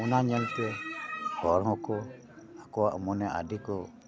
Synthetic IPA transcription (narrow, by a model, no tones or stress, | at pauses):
unaɲənt̪ɛhɔɾɦɔkɔ | akɔwaʔmɔnɛʔa̰dikɔ